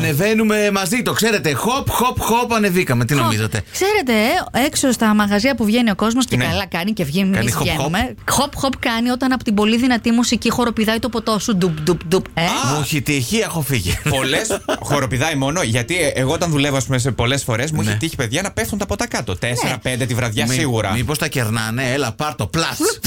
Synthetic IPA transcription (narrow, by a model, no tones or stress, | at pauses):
ɐne̞ve̞nume̞mɐzit̪o̞kse̞ɾe̞t̪e̞xopxo̞pxo̞pɐne̞vikɐme̞t̪ino̞mizɐt̪ekse̞ɾe̞t̪e̞eksost̪ɐmɐɣɐziɐpuvʝe̞nio̞ko̞zmo̞scekɐlɐkɐnice̞vʝimɐnoenumexopxopkɐnio̞t̪ɐnɐpot̪ibo̞liðinɐt̪imusicixo̞ɾo̞piðɐjt̪opo̞t̪o̞sud̪upd̪upd̪upemuçit̪içiexofiʝipo̞lesxo̞ɾo̞piðɐimo̞no̞ʝɐt̪ieɣoot̪ɐnðule̞voɐspumes̬epo̞lesfo̞ɾe̞s̬muiçit̪içi̥pe̞ðʝɐnɐpeft̪und̪ɐpo̞t̪ɐkɐt̪ot̪eseɾɐpend̪et̪ivɾɐðʝɐssiɣuɾɐmipost̪ɐceɾnɐne̞elɐpɐɾt̪oplɐs